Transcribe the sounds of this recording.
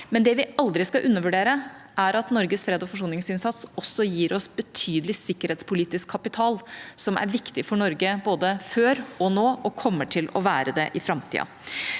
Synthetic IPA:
mɛnd̪ɛʋɪɑld̪ɾɪskɑʔʉnːəɾʋʉɖeːɾə | ʔæɾɑt̪nɔɾɡəsfɾeːd̪ɔfɔʂ̬uːnɪŋsɪnsɑt̪sɔsːɔjiːɾɔsbət̪ʰyːd̪əlɪsɪkːəɾheːt̪spʰʊliːt̪ɪskʰːɑpɪt̪ʰɑːlsɔmʔæ̰ɾʋɪkt̪ɪfɔɳɔɾɡəboːd̪əføːɾɔnoːʔɔkʰɔmːəʈʰɪlɔ̰ʋæːɾəd̪ɛ̰ʔɪfɾɑmt̪ʰḭːɑ̰

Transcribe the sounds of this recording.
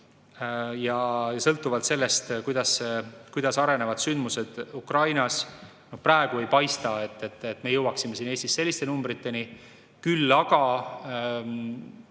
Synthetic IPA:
jɑjɑsɤlt̪ːˑuvɑlt̪se̞lːe̞st̪kujd̪̥ɑskujd̪̥ɑsɑɾe̞ne̞vɑd̪̥synd̪̥muse̞d̪̥ukrɑjnɑs | no̞prɑe̞ɡ̥ue̞jpɑjst̪ɑe̞t̪ːˑet̪ːet̪me̞jɤwɑksimːe̞siːne̞ːst̪isːe̞lːist̪e̞numbɾit̪ːˑe̞ni | kylːɑɡ̥ɑ

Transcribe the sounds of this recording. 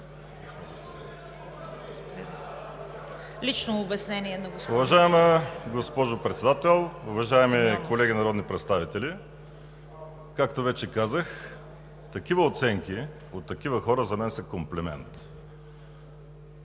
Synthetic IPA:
lit͡ʃnoːbɛsnɛniɛnɐɡosʊvɐʒaɛməɡospɔʒopɾɛt̪sɛd̪at̪ɛlˠʊvɐʒaɛmikolɛɡʲinɐɾɔd̪nipɾɛt̪st̪avit̪ɛli | kak̚t̪ovɛt͡ʃɛkazəx | t̪ɐkʲivəot̪sɛŋki | ot̪ːɐkivəxɔɾəzɐmɛnsɛkomplɛmɛ̰nt̪

